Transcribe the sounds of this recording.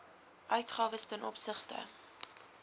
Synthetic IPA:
ʔœɥtχɑːvəstənʔɔpsəχtə̰

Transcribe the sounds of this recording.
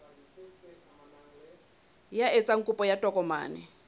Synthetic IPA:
jaet͡sʼaŋ̩kʼupʼɔjatʼɔkʼɔma̰ːnɛ̰

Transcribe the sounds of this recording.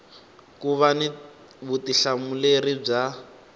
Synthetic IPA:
kuβani | βutiɬamulerib͡ʐa

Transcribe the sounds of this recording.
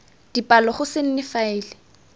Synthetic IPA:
d̥ipʼalɔχʊsɪn̩nɪfaɪːlɪ

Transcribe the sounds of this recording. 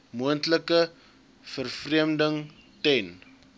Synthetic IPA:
muəntləkə | fərfriəmdəŋ | tɛn

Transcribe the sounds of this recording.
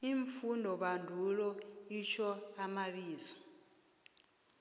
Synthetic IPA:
iɱfundʱɔɓandʱulɔit͡ʃʰɔamaɓiːzɔ̥

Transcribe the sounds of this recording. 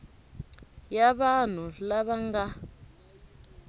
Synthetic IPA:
jaɓan̤ulaɓaŋɡa

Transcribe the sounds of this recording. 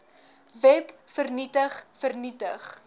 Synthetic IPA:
vɛpfərnitəχfərnitəχ

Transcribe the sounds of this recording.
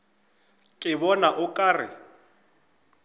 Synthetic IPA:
kʼɪbɔnaʔʊkʼaːrɪ̰

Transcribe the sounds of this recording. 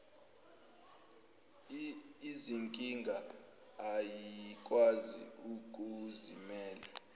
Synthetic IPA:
iziŋkʼiŋɡʱaː | jikʼwazḭukʼuzimɛːla

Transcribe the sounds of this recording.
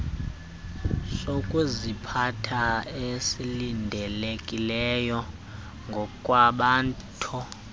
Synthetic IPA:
sokʼuzipʰatʰaesilindʱɛlekʼilɛjɔ | ŋɡʱɔkʼwaɓaːntʰu

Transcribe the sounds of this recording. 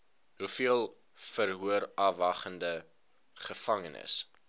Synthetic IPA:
ɦufiəlˠ | fərɦuərɐvɐχəndə | χəfɐŋənə̰s

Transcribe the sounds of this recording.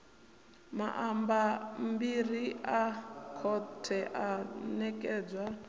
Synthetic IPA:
ma̰ʔambambiriakʰɔtʰɛʔanɛkʼɛːd͡zwa

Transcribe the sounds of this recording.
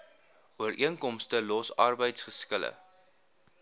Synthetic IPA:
uərʔiənkɔmstəlɔsɐrbəjtsχəskələ̰

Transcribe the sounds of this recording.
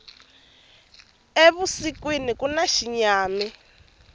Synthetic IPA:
eβusikwinikunaʃiɲaːmi

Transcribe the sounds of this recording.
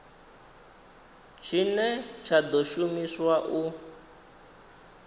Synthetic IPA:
t͡ʃʰinɛt͡ʃʰad̪oʃumiswaʔu

